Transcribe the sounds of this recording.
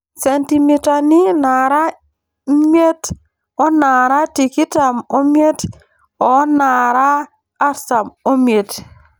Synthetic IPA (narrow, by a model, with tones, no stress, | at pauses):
se˨nti˨mi˨ta˨ni˦na˨ɾa˦ | me˦t | o˦na˨ɾa˦ti˨ki˦ta˨mo˦mje˦t | o˨na˨ɾaː˦ | ɾsa˨mo˦me˨t